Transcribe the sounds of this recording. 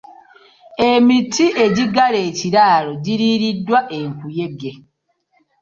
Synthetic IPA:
emitʰːiʔe̞ɟiɡaleːciɾaːloɟiɾiːɾidːwaʔeŋkuje̞ɡe

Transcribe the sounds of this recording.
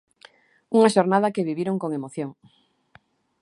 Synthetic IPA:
uŋɐʃoɾnað̞ɐkeβiβiɾoŋkoŋemoθjoŋ

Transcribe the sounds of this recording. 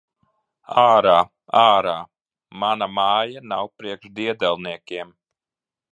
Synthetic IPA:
aːɾaː | aːɾaː | manamaːjanawpɾiɛkʃd̪iɛd̪ɛlˠniɛkʲiɛm

